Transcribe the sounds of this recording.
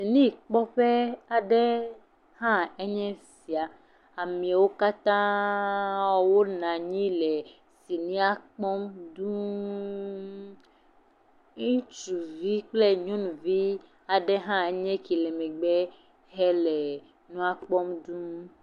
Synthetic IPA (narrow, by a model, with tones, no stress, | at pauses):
si˨nĩ˦˨k͡pɔ˦ɸɛ˦a˨ɖɛ˦ | hã˦e˦ɲɛ̃˦si˨a˨ | a˨mĩ˨a˨wo˦ka˦t̪ã˦ | wɔ˦wo˦nã˨ɲĩ˦lɛ˨ | si˨nĩ˦a˦k͡pɔ˦mdũ˦ | ŋũ˦t͡ʃu˨vi˦k͡plɛ˦ɲɔ̃˦nũ˨vi˦ | a˨ɖɛ˦ɦã˦e˦ɲɛ̃˦ki˨lɛ˨mɛ˨ɡ͡bɛ˦ | ɦɛ˦lɛ˨ | nũ˦a˦k͡pɔ˦mdũ˦